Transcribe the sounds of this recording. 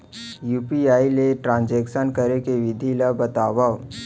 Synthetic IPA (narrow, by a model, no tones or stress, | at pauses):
juːpiaːileʈɾãːnd͡ʒɛːkʃənkəɾekeʋɪd̪ʱilabət̪aːʋa